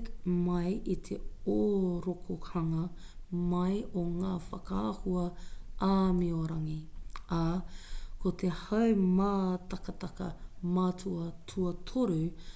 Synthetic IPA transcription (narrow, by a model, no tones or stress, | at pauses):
kmɐjʔit̪ʰeoːɾokʰohɐŋɐ | mɐjoŋaːfɐkaːhuɐaːmioɾɐŋiʔa | kot̪ʰehɐwmaːt̪ɐkɐt̪ɐkɐ̰maːtʰuɐtʰuɐt̪ʰoɾʉ